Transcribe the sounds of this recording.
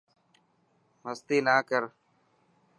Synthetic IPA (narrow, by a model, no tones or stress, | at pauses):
məst̪iːnaːkəɾ